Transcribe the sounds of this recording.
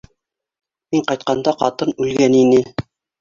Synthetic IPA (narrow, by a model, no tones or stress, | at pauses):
miɴqɑjt̪̚qɑnd̪ɑqɑ̰t̪ɤnʉlɡæninɘ